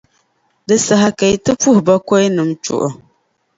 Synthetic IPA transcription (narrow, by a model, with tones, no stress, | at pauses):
dɨ˨sa˨ɦa˨ka˨ji˨tɨ˦pu˦hʊ˨ba˦kɔ˦jnɨ˨mt͡ʃʊ̰˨ʔʊ˨